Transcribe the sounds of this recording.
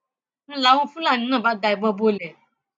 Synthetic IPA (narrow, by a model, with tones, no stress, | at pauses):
n̩˦la˨˦wɔ̃˦fũ˦la˦˨nĩ˨˦nã˦˨ba˨˦da˧˨i˨ɡ͡bɔ˧bo˧˦lɛ˨